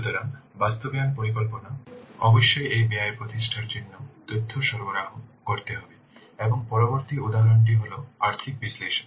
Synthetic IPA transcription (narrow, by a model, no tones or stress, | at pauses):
ut̪oɾaŋbast̪obejanpoɾikɔlponaɔboʃːojʔejbeajpɾot̪iʃʈʰaɾd͡ʑinːot̪ɾud̪ʱːoʃɔɾboɾaɦokoɾt̪eɦɔbe | eboŋpɔɾoboɾt̪iud̪aɦaɾoɳʈ̬iɦoloaɾt̪ʰik̚bisleʃo̥n